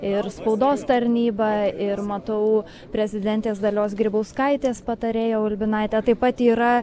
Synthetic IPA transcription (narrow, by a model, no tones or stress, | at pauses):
ɪɾspɐʊd̪oːst̪ɐɾʲnʲiːbɑɪɾmɐt̪ɐʊ | pʲɾʲɛzʲɪd̪ʲɛnʲt̪ʲeːsd̪ɐlʲoːsɡɾʲɪbɐʊskɐɪt̪ʲeːspɐt̪ɐɾʲeːjoːʊlʲbʲɪnɐɪt̪ʲɛt̪ɐɪpːɐt̪iːɾɐ